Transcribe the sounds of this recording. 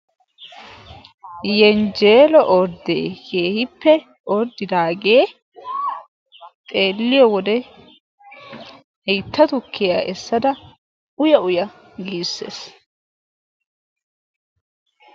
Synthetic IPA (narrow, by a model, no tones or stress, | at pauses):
jɛnd͡ʒe̞ːlɔʔɔɾd̪ḛːkeːhɪpːɛ | ʔɔɾd̪ːɪd̪aːɡe̞ː | t̪ʼe̞ːlːɪjɔwɔd̪ɛ | hɛjt̪ːɐt̪ʊkːɪjaːʔɛsːɐd̪ɐ | ʊjɐʊjɐ | ɡiːsːḛːs